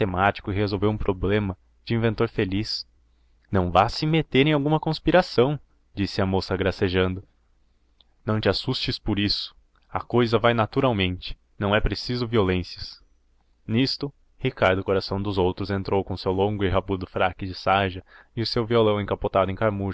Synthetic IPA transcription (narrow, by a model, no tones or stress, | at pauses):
t̪emat͡ʃi̥kʊɪɦezowvewũpɾʔoblẽmɐ | d͡ʒɪĩvẽnt̪oɾfelis | nɐ̃w̃vasɪmet̪eɾẽj̃awɡũmɐkõspiɾasɐ̃w̃ | d͡ʒisɪɐmosɐɡɾaseʒɐ̃nd̪ʊ | nɐ̃w̃t͡ʃ̪ɪasust͡ʃɪspʊɾisʊ̥ | ɐ̰kojzɐvajnat̪uɾawmẽnt͡ʃɪ̥ | nɐ̃w̃ɛpɾesizʊviolẽsiɐs | nist̪ʊ | hikaɾd̪ʊkoɾasɐ̃w̃d̪ʊzowt̪ɾʊzẽnt̪ɾowkõʊsewlõŋɡʊɪɦabud̪ʊfɾakɪd͡ʒɪsaʒɐɪʊsewviolɐ̃w̃ẽkapot̪ad̪ʊẽj̃kaɾmuʒ